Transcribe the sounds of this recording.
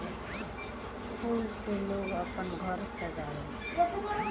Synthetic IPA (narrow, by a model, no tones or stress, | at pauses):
pʰulseloʌpʌnɡʱʌɾsʌd͡zajo